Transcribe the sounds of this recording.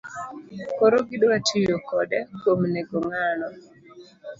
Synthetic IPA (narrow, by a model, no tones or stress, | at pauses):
kɔɾɔɡɪdwatʰijokɔdɛkomnɛɡoŋalɔ